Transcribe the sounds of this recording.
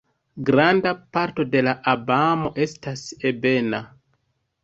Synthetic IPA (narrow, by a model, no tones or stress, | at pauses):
ɡɾandapaɾto̞de̞laʔabamo̞ʔe̞stase̞be̞na